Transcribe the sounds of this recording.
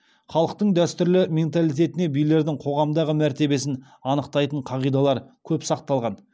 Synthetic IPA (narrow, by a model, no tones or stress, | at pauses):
χɑlˠəq̚t̪əɴd̪æst̪ʏɾlɪme̞nt̪ɑlˠijt̪̬ʲe̞t̪ɪne̞bijle̞ɾd̪ɪŋqʰo̞ʁɑmd̪ɑʁəmæɾt̪e̞be̞sɪn | ɑnəqt̪ɑjt̪əɴqʰɑʁijd̪ɑlˠɑɾkʲʰɵpsɑq̚t̪ɑlˠʁɑn